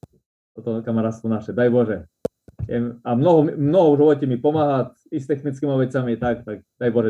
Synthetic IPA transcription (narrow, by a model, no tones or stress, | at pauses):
t̪ɔt̪ɔkamaɾaːt̪st̪ɔnaʃɛd̪ajbɔʒɛ | jɛ̰mamnɔɦɔmimnɔɦɔuʒʋɔcɛmipɔmaɦat̪ | ist̪ɛxnit͡skimaʋɛt͡samiɛt̪akt̪aɡ̚d̪ajbɔʒɛ